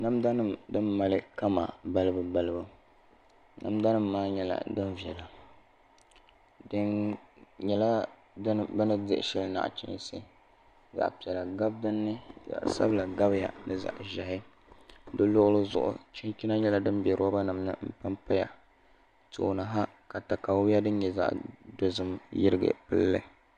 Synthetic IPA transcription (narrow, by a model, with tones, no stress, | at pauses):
na˦mda˦nɨ˦mdɨ˦mːa˨lɨ˦ka˦ma̰˨ba˦lɨ˦bɨ˨ba˦lɨ˦bɨ˦ | na̰˨mda˦nɨ˦mːaː˦ɲɛ˦la̰˨dɨ˦nvi˨ɛ˨la˨ | dɨ˦n | ɲɛ˦la˦ | dbɛ˦nɨ˦dɨ˨ʔʃɛ˦lɨ˦na̰˨ʔt͡ʃɪ̰˦n˦sɨ˦ | za̰˨ʔpi˨ɛ˨la˨ɡa˦b̚dɨ˦nːɨ˦za̰˨ʔsa̰˦bɨ˦la˨ɡa˦bja̰˨nɨ˨za̰˨ʔʒa˨ɦɪ˦ | dɨ˦lʊ˦ʔʊ˦lɨ˦zʊ̰˨ʔʊ̰˨t͡ʃi˦nt͡ʃi˦na˦ɲɛ˦la˦dɨ˦nbɛ˨ɾɨ˦a˦ba˦na˨mnɨ̰˦m̩˦pɨ˦mpa˦ja̰˨ | to̰˨na˨ɦa˦ | ka˨ta˨ka˨˦a˦dɨ˦nɲɛ˨za̰˨ʔdo˨zɨ˦mjɪ˦ɾɨ˦ɡɨ̰˨pɨ˦lːɨ̰˦